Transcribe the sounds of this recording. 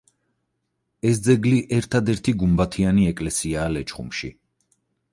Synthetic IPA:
ɛsd̪zɛɡliʔɛɾt̪ʰad̪ɛɾt̪ʰiɡumbat̪ʰianiɛkʼlɛsiaːlɛt͡ʃʰʼχṵmʃḭ

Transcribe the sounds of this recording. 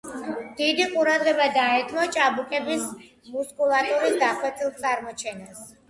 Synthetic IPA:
d̪̥id̪iqʼuɾad̪ʁɛbad̪aɛt̪ʰmɔt͡ʃʼabukʼɛbis | muskʼulˠat̪ʼuɾisd̪aχwɛt̪ʰʼilˠt̪sʼaɾmɔt͡ʃʰɛnas

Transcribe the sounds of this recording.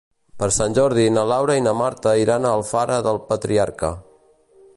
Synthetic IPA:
pəɾsanʲʒɔɾðinəlawɾəinəmaɾt̪əiɾanəlˠfaɾəðəlˠpət̪ɾiaɾkə̰

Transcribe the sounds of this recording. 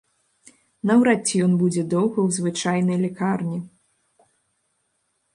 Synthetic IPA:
nɐwɾat͡sʲːijɔnbud͡zʲɛd̪ɔwɣɐwzvɨt͡ʂajnɐjlʲikarnʲi

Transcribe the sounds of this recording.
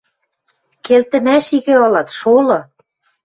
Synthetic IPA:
kelt̪ɘ̆mæʃiɣɘ̆ɤ̆lɑt̪ʃolɤ̆

